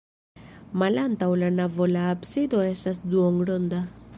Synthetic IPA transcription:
malant̪awlanavolaːpsid̪oesasd̪uɔŋɡɽond̪a

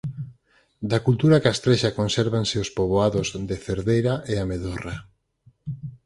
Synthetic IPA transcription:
d̪akult̪uɾakast̪ɾeʃakonseɾβansɪospoβoaðozd̪ɪθeɾðejɾaʔeameðora

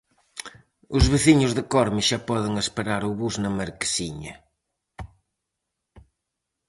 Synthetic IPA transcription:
ʊzβeθiɲʊzðɪkɔɾmɪʃapɔðɪŋespeɾaɾʊβuznɐmɐɾke̥siɲɐ̰

